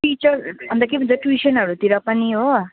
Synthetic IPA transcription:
ʈit͡ʃʌrbʱʌnd̪ʌkibʱʌnt͡sʌʈuwisʰʌnɦʌɾut̪iɾʌpʌniɦo

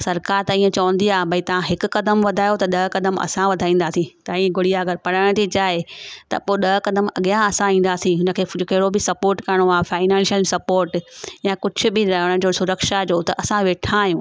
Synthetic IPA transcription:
sɐɾkaːɾt̪ɐĩːẽt͡ɕɐʋə̃n̆d̪iaːɦbʱɐit̪ɐʋãɦɪkʊ̆kɐd̪əmʋɐd̪ʱaːjot̪ɐɗɐɦkɐd̪əmʔɐ̰sãʋɐd̪ʱaːĩːn̆d̪aːsĩt̪ɐĩːẽɡʊɽijaɐɡəɾpɐɽəɽ̃t̪ʰit͡ɕaːɦet̪ɐ̰poːɗɐɦkɐd̪əmɐɠijãɐsãĩːn̆d̪aːsĩɦʊnə̆kʰeːkɐɦɪɽobɪsɐpoːɾʈkɐɾəɽ̃oaːfaːɪnɛ̃ːnʃəlsɐpoːɾʈjakʊd͡ʑʱʊ̆bɪɾɐɦəɽ̃ʊ̆d͡ʑoːsʊɾəkʃad͡ʑoːt̪ɐʔɐsãʋeːʈʰãːɦijũː

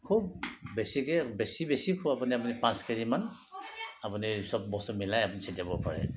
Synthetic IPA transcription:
kʰubːesikɛbesibesikʰuapuniapunipãskaɹiman | apunisɔb̚bɔsɔmilajapunisitabɔpaɹɛ̰

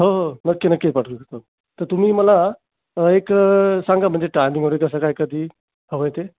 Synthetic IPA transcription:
ɦoɦonəkːenəkːetpaʈʰukət̪a | t̪əɾt̪um̤iːməla | eksãŋɡam̤əɳd͡zeʈajmĩŋʋəɾekəs̬akaɦjkəd̪ʱiː | ɦəʋəjt̪e

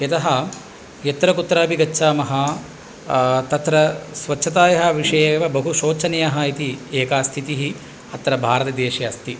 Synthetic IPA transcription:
ɐt̪ɐɦɐ̆ | jɐt̪ɾɐkut̪ːɾaːpiɡɐtːʃʰaːmɐɦɐ | t̪ɐt̪ɾɐsʋɐt͡ʃːʃʰɐt̪aːjɐɦɐ̆ʋiʂɐjeːʋɐbɐɦuʃoːt͡ʃʰɐnɐjɐɦɐit̪ieːkaːst̪ʰit̪iɦi | ɐt̪ːɾɐbʱaːɾɐt̪ɐd̪eːʃjɐːst̪i

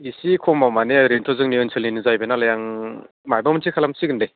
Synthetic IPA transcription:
isikʰɔmamaneɾentʰɔzɯŋniɯnsʰɯlninɯzajbenalajaŋ | majbamɯntʰikʰalamsiɡɯndej

